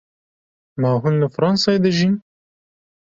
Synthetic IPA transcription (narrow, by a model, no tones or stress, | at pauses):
maːɦunləfɾɑnsɑed̪ɨʒin